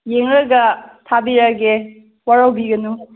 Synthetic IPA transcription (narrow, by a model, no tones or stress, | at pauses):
jeŋɾɐɡɐtʰabiɾaɡe | waɾawbiɡɐnu